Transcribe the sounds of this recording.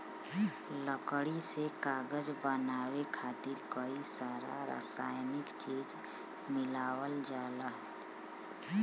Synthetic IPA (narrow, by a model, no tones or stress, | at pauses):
ləkɽisekaːɡəd͡ʒbənaːwekʰaːt̪ɪɾkəisaːɾa̰ɾa̰ːsaːjnɪkt͡ʃiːd͡ʒ | mɪlaːwəld͡ʒaːlaɦ